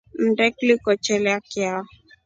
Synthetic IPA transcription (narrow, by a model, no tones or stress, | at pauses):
n̩dɛklikɔt͡ʃɛlɛakjaɔ